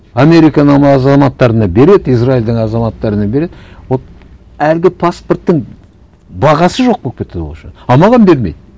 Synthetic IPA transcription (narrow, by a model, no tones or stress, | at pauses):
ɑme̞ɾijkɑnəɴmɑzɑmɑt̪ːɑɾənɑbe̞ɾe̞d̪ɪijsraild̪əɴɑzɑmɑt̪ːɑɾənɑbe̞ɾe̞d̪wo | ælɡʲɪpʰasport̪ːəŋ | bɑʁɑsəʒo̞q̚kɵk̚pet̪ed̪o̰ʃɪ̰nɑmɑʁɑnbe̞ɾme̞̰jd̪